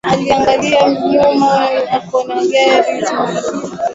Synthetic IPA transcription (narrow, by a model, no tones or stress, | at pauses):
aliaŋɡaliam̩ɲumajakɔnaŋɡɛɾi